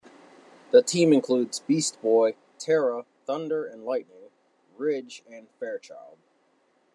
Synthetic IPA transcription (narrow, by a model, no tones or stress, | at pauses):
ðətʰĩmɨ̃nkʰl̥udzbist̚b̥ɔɪ | tʰɛɹə | θʌ̃ndə˞ɨ̃nlaɪtⁿnɪ̃ŋ | ɹɪd͡ʒɨ̃nfɛɹt͡ʃʰaɪlˠd̥̚